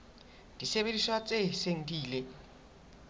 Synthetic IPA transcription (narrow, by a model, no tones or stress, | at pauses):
d̥iseβediswat͡sʼeseŋ̩diːle